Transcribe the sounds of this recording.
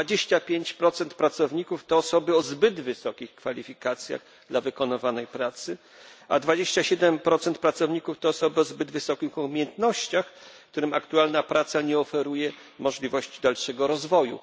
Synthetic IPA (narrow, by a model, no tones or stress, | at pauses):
ad͡ʑeɕt͡ɕapʲjeɲt͡ɕpɾɔt̪sɛnt̪̚pɾat̪sɔvɲikuft̪ɔːsɔbɘɔzbɘd̪vɘsɔkʲixkfalʲifʲikat̪sʲja̰ɣ | d̪lavɘkɔnɪvanɛjpɾat̪sɘ | a̰d̪vad͡ʑeɕt͡ɕaɕɛd̪ɛmpɾɔt̪sɛnt̪̚pɾat̪sɔvɲikuft̪ɔːsɔbɘɔzbɘd̪vɘsɔkʲixuumʲjɛnt̪nɔɕt͡ɕaxkt̪uɾɘmakt̪ualnapɾʔat̪saɲɛɔfɛɾujɛ | mɔʐlʲivɔɕt͡ɕid̪alʂɛɡɔɾɔzvɔjṵ